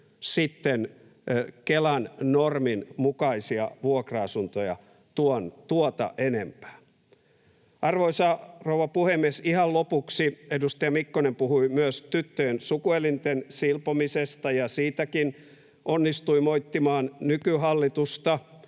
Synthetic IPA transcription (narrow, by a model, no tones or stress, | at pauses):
sit̪ːen | kelænnorminmukɑisiɑʋuokrɑɑsunt̪ojɑ̰ | t̪uont̪uot̪ɑ̰ʔenempæ̥ː | ɑrʋoisɑrouʋɑpuhemːiesihɑllopuksiedust̪ɑjɑmikːonempuhuimyøst̪yt̪ːøjensukuelint̪ensilpomisest̪ɑjɑsiːt̪ækin | ʔonːist̪uimoit̪ːimɑːnnykyɦɑlːit̪ust̪ɑ